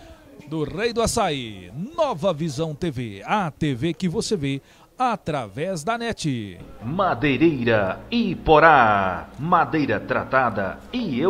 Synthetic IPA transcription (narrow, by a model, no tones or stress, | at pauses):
d̪ʊʁejd̪ʊasaɪnɔvɐvizɐ̃w̃t̪evḛat̪evekɪvoseve | at̪ɾavɛzd̪ɐnɛt͡ʃɪmad̪ejɾejɾɐɪpoɾa | mad̪ejɾɐt̪ɾa̰t̪ad̪ɐ̰ɪe